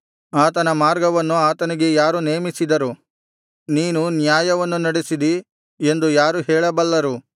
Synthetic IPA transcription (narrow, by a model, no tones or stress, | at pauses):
aːt̪ɐnɐmaːɾɡɐʋɐnːuaːt̪ɐniɡe̞jaːɾuneːmisid̪ɐɾu | niːnunjaːjɐʋɐnːunɐɽesid̪i | e̞nd̪ujaːɾuɦɛːɭɐbɐlːɐɾu